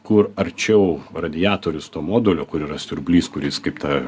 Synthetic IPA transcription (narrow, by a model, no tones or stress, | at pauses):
kʊrɐɾʲt͡ʃʲɛʊrɐd̪ʲɪjɑːt̪oːɾʲʊst̪oːmoːd̪oːlʲoːkʊɾiːɾɐsʲʊɾbʲlʲiːskʊɾʲɪskɐɪpt̪ɐ